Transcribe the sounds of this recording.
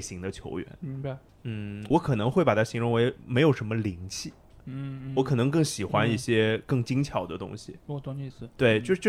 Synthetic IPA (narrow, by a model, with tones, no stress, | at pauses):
ɕi˧˥ŋd̪ə˧t͡ɕʰjo̰˧˥ʊɥɛ̰˧˥nmi˧˥ŋb | n̩˥˩wɔ˧˥kʰɤ˨˩nɤ˧˥ŋxwe˥˩ɪpa˨˩t̪ʰa˥ɕi˧˥ŋɻʊ˧˥ŋwe˧˥ɪme˧˥ɪjo˨˩ʂə˧˥nmə˧li˧˥ŋt͡ɕʰi˥˩˥ | wɔ˧˥kʰɤ˨˩nɤ˧˥ŋkɤ˥˩ŋɕi˨˩xwa˥ni˥˩ɕjɛ˥kɤ˥˩ŋt͡ɕi˥ŋt͡ɕʰjɑ˨˩ʊd̪ə˦t̪ʊ̰˥ŋɕi˨˩ɔ˥˧˩ŋi˥˧s̩˧˩t̪we˥˩ɪt͡ɕo˥˧ʊʂt͡ɕj